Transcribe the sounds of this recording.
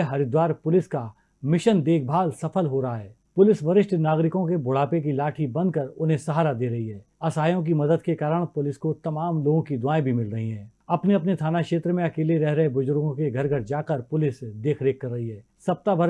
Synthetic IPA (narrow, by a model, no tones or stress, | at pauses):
ɦɐɾɪd̪waːɾpʊlɪska | mɪʃənd̪eːk̚ʰbʱaːlsɐfəlɦoɾɐɦaɦɛː | pʊlɪsʋɐɾɪʃʈʰnaːɡɾɪkõkebʊɽ̤aːpek̬ilaːʈʰibɐ̃nd̪̚kəɾʊnɦẽsɐɦaːɾad̪eːɾɐɦiɦɛː | ɐsaːjõk̬imɐd̪əd̪̚kekaːɾəɽ̃pʊlɪskot̪ɐmaːmloːɡõkid̪ʊaːẽbʱimɪlɾɐɦiɦɛ̃ːɐpneɐpnet̪ʰaːnakʃeːt̪ɾəmẽɐkeːleɾɛɦɾɐɦebʊzʊɾɡõkeɡʱɐɾɡʱəɾd͡ʒaːkəɾpʊlɪsd̪eːkʰɾeːkːɐɾːɐɦiɦɛː | sɐp̚t̪abʱɐɾ